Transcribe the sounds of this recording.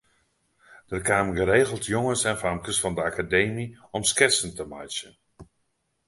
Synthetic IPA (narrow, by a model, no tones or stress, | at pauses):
d̥ərkaːmɡəɾejɣəlˠtʰjoŋənsɛnfamkəsfɑndəakadejmiɔmskɪsəntəmajsən